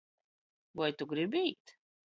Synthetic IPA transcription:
vajt̪ʊɡɾɪbʲiːt̪

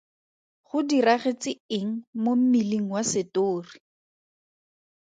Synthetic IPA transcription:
χʊdiraχet͡sɪɪŋ̩mom̩miliŋ̩wasɪtoːri

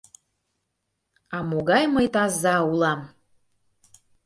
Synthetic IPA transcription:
ɑmoɣɑjməjt̪ɑzːɑulˠɑm

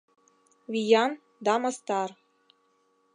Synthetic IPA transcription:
βʲijɑn | d̪ɑmɤ̆st̪ɑr

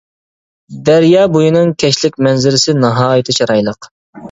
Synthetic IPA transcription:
d̪ɛɾjɑːbojinɨŋkʲʰɛʃlɪkʲmɛnzɪɾɪsɪnɨɦɑːjɨt̪ʰɨt͡ʃʰɑɾɑjlˠəq

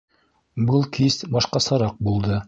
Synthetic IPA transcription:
bɤlˠkisbɑʃqɑsɑɾɑq̚bulˠd̪ɤ

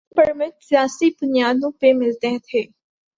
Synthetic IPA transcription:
pəɾmɪ̃t̪sɪjaːsibʊnijaːd̪õpemɪlt̪eɦt̪ʰeː

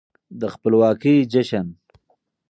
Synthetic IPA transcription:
d̪əxpəlwɑːkid͡ʒaʃan

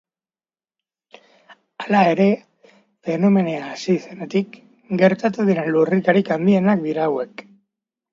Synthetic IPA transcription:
alae̞ɾe̞ | fe̞no̞me̞neaːsise̞net̪ik | ɡe̞ɾt̪at̪uðiɾenlurikaɾikambie̞nak̚d̪iɾaːwe̞k

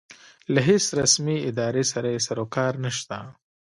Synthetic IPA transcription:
laɦesɾasmiɪd̪ɑɾesaɾajesaɾokɑɾnaʃt̪a

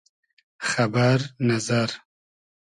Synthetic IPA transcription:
xabaɾnazaɾ

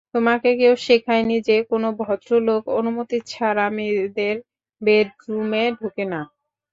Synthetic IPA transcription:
t̪omakekewʃikʰajnid͡ʑekonobʱɔt̪ɾolokonumot̪it͡ɕʰaɾamid̪eɾ | bedɾumeɖʱukena

